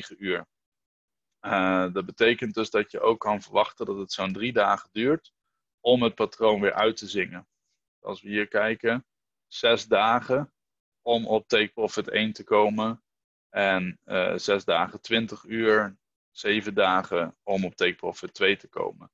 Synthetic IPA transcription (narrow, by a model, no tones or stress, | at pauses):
χəyːɹ | ədɑt̚bətejkənt̚dɵzdɑtjəʔowkːɑnvəɹʋɑχtəndɑtətsowndridaːχədyːɹt | ɔmɦət̚patrownʋɪːɹʔœɥtəzɪŋən | ɑ̰lˠsʋəɦiːɹkɛjkən | z̥ɛzdaːχə | ɔmɔp̚tejk̚prɔfɪtḛjntəkowmən | ɛnəzɛzda̰ːχətʋɪntəχyːɹ | z̥ejvəndaːχəɔmɔp̚tejk̚prɔfɪtʋejtəko̰wmən